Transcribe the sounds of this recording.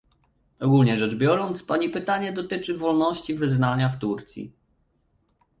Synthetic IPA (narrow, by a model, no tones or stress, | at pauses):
ɔɡulɲɛʐɛd͡ʐbʲjɔɾɔnt̪spaɲipɘt̪aɲɛd̪ɔt̪ɘt͡ʂɘvɔlnɔɕt͡ɕivɘznaɲaft̪uɾt̪sʲjḭ